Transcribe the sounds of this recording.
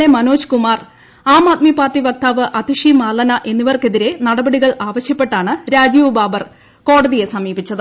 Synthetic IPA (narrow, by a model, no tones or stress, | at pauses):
emɐnoːɕkumaːr | aːmaːt̪̚mipaːrʈiʋɐk̚t̪aːʋɨʔɐd̪iʂimaːlɐnɐʔe̞nːiʋɐrke̞ðiɾe̞nɐɽɐbɐɽiɣɐɭaːʋɐɕjɐpːe̞ʈːaːɳɨɾaːd͡ʑiʋbaːbɐr | ko̞ːɽɐðije̞sɐmiːbit͡ɕːɐðɨ